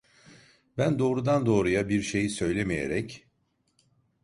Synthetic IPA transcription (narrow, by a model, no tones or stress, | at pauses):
bænd̪o̞ːɾud̪and̪o̞ːɾujabiɾʃe̞jisø̞jlʲe̞mije̞̰ɾɛc